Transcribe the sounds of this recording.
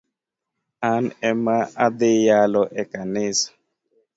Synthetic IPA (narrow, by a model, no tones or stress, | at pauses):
anɛmaad̪ejalɔʔɛkanɪsḁ